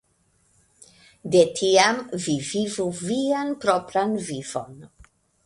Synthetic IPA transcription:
de̞tʰiamvivivuvianpɾopɾanvivo̰n

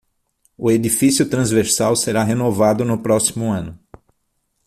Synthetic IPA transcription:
ʊed̪ifisjʊt̪ɾɐ̃zveɾsawseɾaɦenovad̪ʊnʊpɾɔsi̥mʊɐ̃nʊ

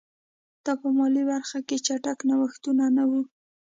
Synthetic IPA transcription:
d̪̥ɑpəmɑlibaɾxaket͡ʃaʈaknawaxt̪unanawu

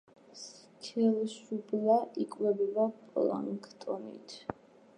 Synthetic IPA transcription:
s | kʰɛlʃublaʔikʼvɛbibapʼla̰ŋkʰt̪ʼɔnḭt̪ʰ

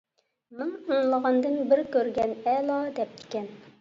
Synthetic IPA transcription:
nɨŋəŋlˠəʁɑnd̪ɨnbɪɾkʲøɾɡʲɛnɛlˠɑd̪ɛp̚d̪ɪ̥kʲɛn

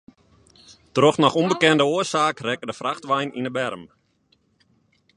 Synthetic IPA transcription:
troxnɔxumbəkɛndəoəsaːkrɛkərdəfraxtʋɛjninəbɛrəm

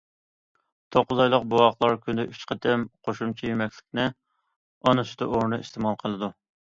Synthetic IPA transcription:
t̪ʰoqːʊzɑjlˠəqbowɑχlˠɑɾkʲʰynd̪ɛʔyt͡ʃqʰɑt̪ʰɛmqʰoʃumt͡ʃʰijemɛkʲlɪkʲnɪ | ɑnust̪ɨʔoɾnɨiʃt̪ʰɪmɑlˠqʰəlˠɨd̪u

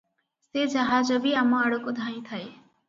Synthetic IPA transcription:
sed͡ʒaɦad͡ʒɔbiamɔ̃aɽukod̪ʱaĩt̪ʰae

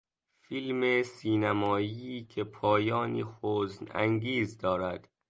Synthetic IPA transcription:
filmesiːnæmɒːiːcʰepʰɒːjɒːniːxoːznæ̰ŋɡiːzd̪ɒːɾæd̪̥

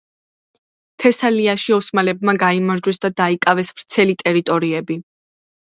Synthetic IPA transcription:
t̪ʰɛsaliaʃiɔsmalɛb̚maɡaimaɾd͡ʒwɛsd̪ad̪aikʼavɛsvɾt̪sʰɛlit̪ʼɛɾit̪ʼɔɾiɛbi

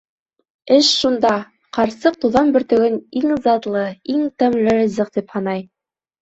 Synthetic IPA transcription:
ɘʃʃund̪ɑ | qɑɾsɤq̚t̪uðɑnbɵ̆ɾt̪ɵ̆ɡɘniŋzɑt̪lˠɤiŋt̪æmlɘɾɤ̆zɤq̚t̪iphɑnɑj

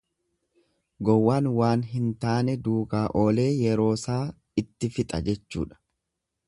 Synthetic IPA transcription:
ɡɔwːaːnwaːnɦɪnt̪aːnɛd̪uːkaːʔo̞ːle̞ːjɛɾo̞ːsaː | ɪt̪ːɪfɪt̪ʼɐ̰d͡ʒɛt͡ʃːṵːᶑɐ̥

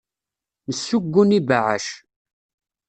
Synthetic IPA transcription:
nəsːuɡʷːʊnibaʕa̰ʃ

